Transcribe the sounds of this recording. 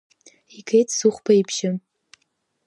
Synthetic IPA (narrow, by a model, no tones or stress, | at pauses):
ikʰejtʰsuχʷpʰaipʰʃɪm